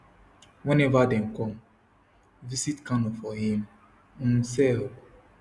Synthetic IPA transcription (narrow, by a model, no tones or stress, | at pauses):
wɛnɛvadɛ̃n̩kɔm | visitkanɔfɔɦim̩ | nsɛob